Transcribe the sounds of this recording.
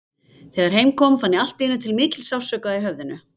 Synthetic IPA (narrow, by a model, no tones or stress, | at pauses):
θɛːɣaɾ̥hejmkʰɔmfanːɪal̥t̪ɪnːʏt̪ʰɪlmɪːcɪlsjaw̥sœːkaiɦœvðɪnʏ